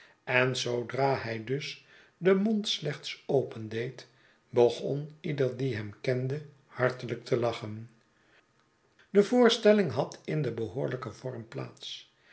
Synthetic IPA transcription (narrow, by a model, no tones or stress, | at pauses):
ɛnzowdraːɦɛjdɵs | dəmontslɛχt̪sowpəndejt | bəχɔ̰nidəɹdiɦɛmkɛndə | hɑɹtələk̚tʰəlɑχən | d̥əvʊːɹstɛlɪŋɦɑtɪndəbəɦʊːɹləkəv̥ɔɹmpla̰ːts